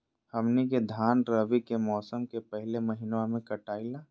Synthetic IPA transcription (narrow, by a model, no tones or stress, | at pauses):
hɐmneked̪ʱaːnɾəʋikemɔːsəmkepɛɦlemɐɦɪnwamẽkɐʈaːilaː